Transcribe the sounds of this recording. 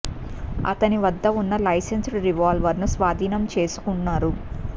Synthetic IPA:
ɐ̰t̪ɐniʋɐd̪ːɐunːɐlɐjsensɾiʋaːlʋɐɾnusʋaːd̪ʱiːnɐmt͡ʃe̞ːsu̥kunːaːɾu

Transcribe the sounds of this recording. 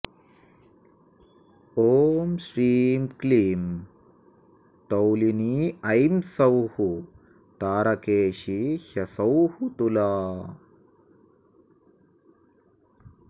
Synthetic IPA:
oːmʃɾiːmkliːm | t̪ɐwliniɐjmsɐwhu | t̪aːɾɐkeːʃihɐsɐwhut̪ulaː

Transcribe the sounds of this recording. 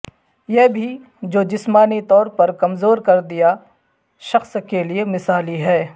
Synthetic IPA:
jɛɦbʱi | d͡ʒoːd͡ʒɪsmaːnit̪ɔːɾpɐɾkɐmzoːɾkɐɾd̪ija | ʃɐxskeliemɪsaːliɦɛː

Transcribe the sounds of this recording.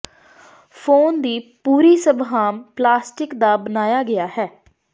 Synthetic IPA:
fʰoːnd̪iːpuːɾiːsəbɦaːmplaːsʈɪkd̪aːbənaːjaːɡɪjaːhɛː

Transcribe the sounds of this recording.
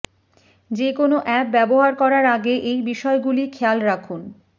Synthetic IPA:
d͡ʑekonoʔɛp̚bɛboɦaɾkɔɾaɾaɡeʔejbiʃɔeɡulikʰɛlɾakʰun

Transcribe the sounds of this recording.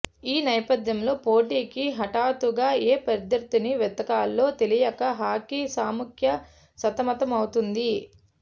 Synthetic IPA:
iːnɐjɐpɐd̪jɐmlo̞ːpo̞ːʈiːkiɦɐʈaːt̪uɡaːeːpɐɾd̪ɐɾt̪iniʋɛt̪ɐkaːlːo̞ːt̪e̞lijɐkɐɦaːkisaːmukʰjɐ | sɐt̪ɐmɐt̪ɐmɐwut̪und̪i

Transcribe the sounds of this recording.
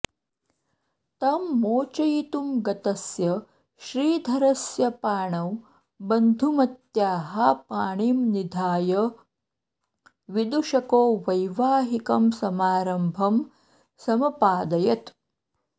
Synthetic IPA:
t̪ɐmːoːt͡ʃɐjit̪umɡɐt̪ɐsjɐ | ʃɾiːd̪ʱɐɾɐsjɐpaːɳɐw | bɐnd̪ʱumɐt̪jaːɦɐpaːɳiːmnid̪ʱaːjɐ | ʋid̪uʃɐkoːʋɐjʋaːɦikɐmsɐmaːɾɐmbʱɐm | sɐmɐpaːd̪ɐjɐt̪

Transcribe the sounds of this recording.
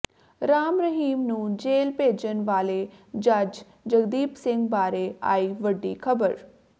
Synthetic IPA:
ɾaːmɾəɦiːmnũːd͡ʒeːlpeːd͡ʒənʋaːleːd͡ʒəd͡ʒ | d͡ʒəɡd̪iːpsɪ̃ŋɡbaːɾeːa̰ːiːʋəɖːḭːkʰəbəɾ

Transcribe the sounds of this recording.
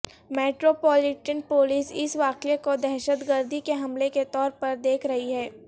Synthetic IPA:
meːʈɾopɔːlɪʈənpoːlɪsɪsʋaːkekod̪ɛːʃəd̪ɡəɾd̪ʱikeɦɐmleket̪ɔːɾpɐɾd̪eːkʰɾɐɦiɦɛː

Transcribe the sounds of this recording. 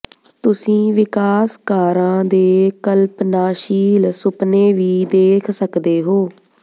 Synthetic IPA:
t̪ʊsĩːʋɪkaːskaːɾãːd̪eːkəlpnaːʃiːlsʊpneːʋiːd̪eːkʰsəkd̪eːɦoː

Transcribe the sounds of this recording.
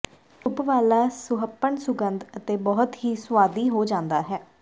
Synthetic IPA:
ʊpʋaːlaːsʊɦəpːəɳsʊɡənd̪ət̪eːbɔːʊt̪ɦiːsʊwaːd̪iːɦoːd͡ʒãːnd̪aːɦɛː

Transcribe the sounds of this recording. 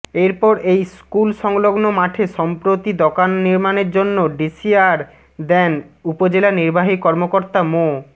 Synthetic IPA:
eɾpɔɾʔejskulʃɔŋloɡnomaʈʰeʃɔmpɾot̪id̪okanːiɾmaneɾd͡ʑonːoɖisiaɾ | d̪ɛnupod͡ʑelaniɾbaɦikɔɾmokoɾt̪amo

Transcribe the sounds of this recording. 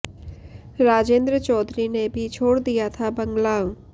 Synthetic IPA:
ɾaːd͡ʒẽːnd̪ɾət͡ʃɔːd̪ɾinebʱit͡ʃʰoːɽd̪ijat̪ʰabɐ̃ŋɡlãː

